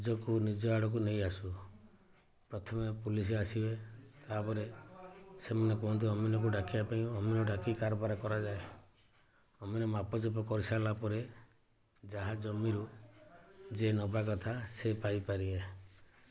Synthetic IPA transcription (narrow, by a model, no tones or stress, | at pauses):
d͡ʒɔkunid͡ʒɔaɽɔk̬uneĩasu | pɾɔt̪ʰɔmepulis̬easibet̪apɔɾe | semanɔkɔ̃nt̪̬iɔminɔk̬uɖakibapaĩɔminɔɖakikaɾpaɾakɔɾad͡ʒae | ɔminɔmapɔd͡ʒɔpɔkɔɾisalapɔɾe | d͡ʒaɦad͡ʒɔmːiɾu | d͡ʒenɔbak̬ɔt̪ʰasepajpaɾibe